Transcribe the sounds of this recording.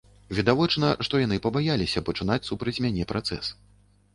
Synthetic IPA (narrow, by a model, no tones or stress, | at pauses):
vʲid̪avɔt͡ʂnɐʂt̪ɔjanɨpɐbajalʲisʲɐpɐt͡ʂɨn̪at͡sʲsupɾɐt͡sʲmʲanʲɛpɾʔat̪sɛ̰s